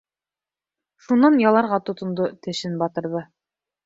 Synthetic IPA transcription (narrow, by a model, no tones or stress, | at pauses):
ʃunːɑnjɑlˠɑɾʁɑt̪ŏt̪ŏnd̪ot̪ɘ̆ʃɘnbɑt̪ɤ̆ɾðɤ